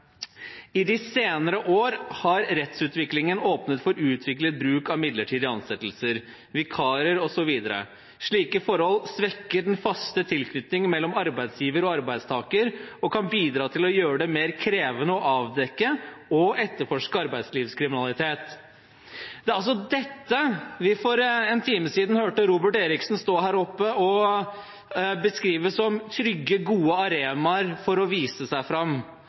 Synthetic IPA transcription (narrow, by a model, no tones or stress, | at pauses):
ɪd̪ɪseːnəɾəʔoːɾhɑɾɾɛt̪sʉːt̪ʋɪklɪŋənoːpnət̪fɔɾʉːt̪ʰʋɪklət̪̚bɾʉːkɑʋmɪd̪ləʈʰiːd̪əɑnsɛt̪ːl̩səɾ | ʋɪkʰɑːɾəɾɔsɔʋiːd̪əɾə̰ | ʂɭiːkəfɔɾhɔlsʋɛkːəɖɛnfɑst̪ət̪ʰɪlkʰnʏt̪nɪŋmɛlːɔmɑɾbæɪd̪sjiːʋəɾɔɑɾbæɪd̪st̪ʰɑːkəɾɔkʰɑnbiːd̪ɾɑːt̪ʰɪlɔjøːɾəɖɛmeːɾkʰɾeːʋənəɔʔɑːʋd̪ɛkːəɔɛt̪ːəɾfɔʂkəɑɾbæɪd̪sliːʋskʰɾɪmɪnɑlɪt̪ʰeːt̪ | d̪ɛæɾɑls̬ɔd̪ɛt̪ːəʋɪfɔɾɛːnt̪ʰiːməsiːd̪n̩høːʈəɾuːbəʈeːɾɪksn̩st̪oːɦæːɾɔpːəɔ | bəskɾiːʋəsɔmt̪ʰɾʏɡːəɡuːəɑɾeːmɑɾfɔɾɔʋiːsəsæɪfɾɑmː